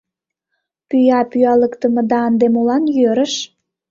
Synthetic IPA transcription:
pyjɑpyɑləkt̪ə̆mɤ̆d̪ɑːnd̪emulɑnjøɾə̆ʃ

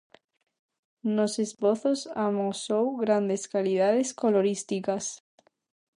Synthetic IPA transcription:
nosespoθosamosowɣɾand̪eskalið̞aðeskoloɾist̪ikas

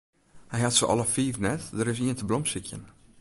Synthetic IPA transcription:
hɛjhatsəʔɔ̰lˠəfiːrnɛtdəɾɪs̬iəntəblɔmsikʰjən

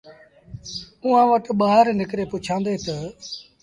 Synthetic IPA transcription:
uːãːʋəʈɓaːɦɾnɪkɾeːpʊt͡ʃʰãːnd̪eːt̪ə

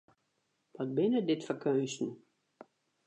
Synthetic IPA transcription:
ʋɔt̚bɪnədɪtfərkʰøːstn̩

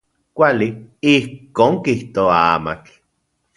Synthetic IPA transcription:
kʷaliihkoːŋkiht̪oaa̰ma̰t͡ɬ

